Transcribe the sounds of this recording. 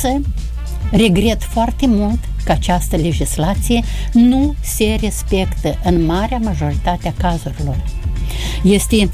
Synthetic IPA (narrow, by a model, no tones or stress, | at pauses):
sə | re̞ɡɾe̞t̪foart̪e̞mult̪ | kəat͡ʃast̪əle̞d͡ʒislat̪sije̞ | nu | se̞re̞spe̞kt̪əʔɨnmaɾeamaʒo̞ɾit̪at̪eakazuɾilo̞r | je̞st̪e